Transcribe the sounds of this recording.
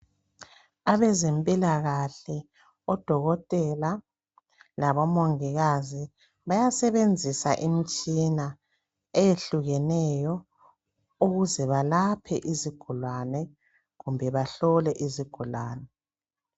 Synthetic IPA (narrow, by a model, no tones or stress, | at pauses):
aβɛzempʼilaɣaɬɛ | ɔd̥ʱɔɣɔtʼɛla | laβɔmoŋiɣazi | βajasɛβend͡zʱisaʔimit͡ʃʼina | ejeɬuɣɛnɛjɔ | uɣuzɛβalapʰɛ̰ʔiziɡ̥ʱulwanɛ | ɣumbʱɛβaɬɔlɛʔiziɡ̥ʱulwaːnɛ